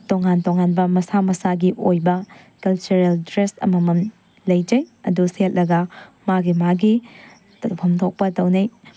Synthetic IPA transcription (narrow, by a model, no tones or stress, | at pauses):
toŋantoŋanbɐmɐsamɐsaɡiʔojbɐ | kɐlt͡ʃuɾeldɾestɐ̰mɐmɐn | lɐjd͡ʒɐjɐduset̚lɐɡɐmaɡimaɡi | tɐpʰɐmtʰok̚pɐtɐwnɐj